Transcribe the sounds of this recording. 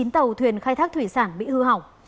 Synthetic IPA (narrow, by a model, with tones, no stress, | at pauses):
i˨˦nt̪ə˨˩wt̪ʰwi˨˩ənxaː˧jt̪ʰaː˦˥k̚t̪ʰwi˧˩saː˧˩nɓḭ˧˨hɨ˧ɦa˨˧˩w